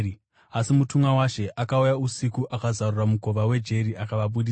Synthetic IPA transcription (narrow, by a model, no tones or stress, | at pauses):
asimutumwawaʃe̞ʔakaujausikuʔakazaruramuko̞ʋawe̞d͡ʒe̞ɾiʔakaʋaɓuɗi